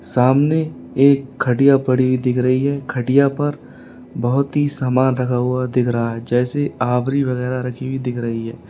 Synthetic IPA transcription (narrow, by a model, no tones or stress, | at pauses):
saːmne | eːkʰːɐʈijapɐɽibʱid̪ɪkʰɾɐɦiɦɛkʰɐʈijapɐɾ | bɐɦʊt̪ɦisaːmaːnɾɐkʰaɦuad̪ɪkʰɾɐɦaɦɛd͡ʒɛːseaːʋɾiʋɐɣɛːɾaɾɐkʰibid̪ɪkʰɾɐɦiɦɛː